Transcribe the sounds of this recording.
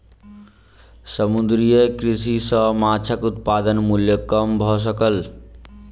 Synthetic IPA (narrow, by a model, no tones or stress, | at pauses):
səmud̪ɾijekɾis̬isɔɦmat͡ʃʰakut̪̚pad̪ənmuljokʌmbʱɔs̬ɔkəl